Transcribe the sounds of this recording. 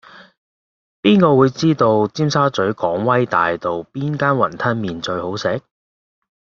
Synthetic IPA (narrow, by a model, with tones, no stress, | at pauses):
piː˥nkɔː˧wuː˨˧jt͡siː˥t̪o˧wt͡siː˥msaː˥t͡sɵ˨˥ɥkɔː˨˥ŋwɐ˥jt̪a̰ː˨jt̪o˨wpiː˥nkaː˥nwɐ˨˩nt̪ʰɐ˥nmiː˨nt͡ʃɵ˧ɥho˨˥wsɛ˨˥k̚